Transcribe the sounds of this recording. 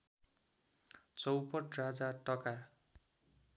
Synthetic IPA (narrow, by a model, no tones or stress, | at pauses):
t͡sʌwpʌʈrad͡zaʈʌka